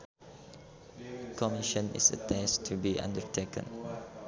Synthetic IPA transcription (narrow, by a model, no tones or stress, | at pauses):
kʰɔmiʃə̃nɪ̰sə̰tʰɛstʰubiʔã̰ndəɹtʰekə̰̃n